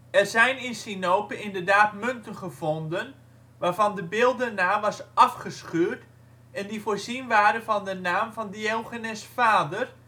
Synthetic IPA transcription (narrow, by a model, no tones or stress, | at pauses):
ɛrzɛjnɪnsinowpəɪndərdaːtmøntənχəv̥ondən | ʋaːrvɑndəbɪːlˠdənaːmʋɑsɑfχəsχyːt | ɛndifoːɹzinʋaːɾənvɑndənaːmvɑndəewχənɛsfaːdər